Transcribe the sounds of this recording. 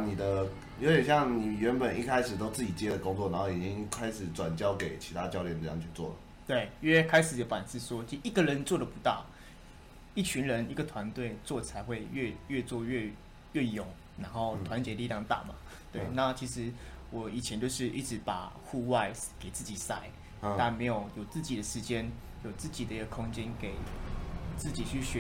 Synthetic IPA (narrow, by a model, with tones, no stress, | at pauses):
ni˨˩d̪ə˦ | jo˧˥t̪jɛ˨nɕjɑ˥˩ŋni˨˩ɥɛ˧˥npə˨˩ni˥˩kʰa˦˥ɪʂɻ̩˨˩t̪o˥ʊt͡sɹ̩˥˩t͡ɕi˨˩t͡ɕjɛ˥˦d̪ə˨kʊ˥˦ŋt͡swɔ˥˨na˧˦nxo˥˩ʊi˨˩t͡ɕi˥˦˥ŋkʰa˥ɪʂɻ̩˨˩ʈ͡ʂwa˨˩nt͡ɕjɑ˥ʊke˨˩ɪt͡ɕʰi˧˥t̪ʰa˦˥t͡ɕjɑ˥˧ʊljɛ˥˨nɤ˧jɑ̰˥˨ŋt͡ɕʰy˥˧t͡swɔ̰˥˩lə̰˩ | t̪we˥˩ɪ˥ɛ˥kʰa˥ɪʂɻ̩˨˩j̪o˧˩fa˨˩nsɹ̩˥˩swɔ˦˥˧i˨˩ɡə˨ɻə˧˦nt͡swɔ˥˩d̪ə˩pu˧˦˥t̪ɑ˥˩ʊ | i˥˩t͡ɕʰy˧˥nɻə˧˦ni˧˥˩ɡə˨t̪ʰwa˧˦nt̪we˥˧ɪt͡swɔ˥˩t͡sʰa˧˥ɪxwe˥˧ɪɥɛ˥˧ɥɛ˥˧t͡swɔ˥˧ɥɛ˥˧ | ɥɛ˥˩jo˨˩˦ŋ | na˧˥nxo˥˩ʊt̪ʰwa˧˦nt͡ɕjɛ˧˥li˧ljɑ˥˧ŋt̪a̰˥˩ma̰˨˩ | t̪we˥˧˩ɪna˥˩t͡ɕʰi˧˥ʂɻ̩˧˥wɔ˨˩i˨˩t͡ɕʰjɛ˧˦nt͡ɕjo˥˧ʊʂɻ̩˥˧ʔi˥˩ʈ͡ʂɻ̩˧˥pa˨˩xu˥˧wa˥˧ɪske˨ɪt͡sɹ̩˥˩t͡ɕi˨˩sa˥˩ɪ | t̪a˥˩nme˧˥ɪjo˨˩ʊjo˨˩t͡sɹ̩˥˩t͡ɕi˨˩d̪ə˦ʂɻ̩˧˥t͡ɕjɛ˦n | jo˨˩ʊt͡sɹ̩˥˩t͡ɕi˨˩d̪ə˦i˧˥ɡə˨kʰʊ˥ŋt͡ɕjɛ˦˥nke˨˩ɪ | t͡sɹ̩˥˩t͡ɕi˨˩t͡ɕʰy˥˩ɕɥɛ˧˦